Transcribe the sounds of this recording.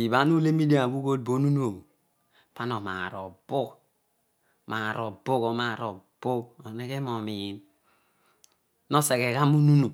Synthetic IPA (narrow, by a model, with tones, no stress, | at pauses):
i˨βa˨˦nu˦le˦mi˦di˦a˨bu˦ko˦d̚bo˦nu˦nu˦o˨o˨ | pa˦no˨ma̰˨ɾo˨bu˦k | ma˨ɾo˨bo˦ko˨ma˨ɾo˨bo˦ko˨ne˦ke˦mo˨mi˨m | no˦se˨ke˨ka˦mu˦nu˦nu˨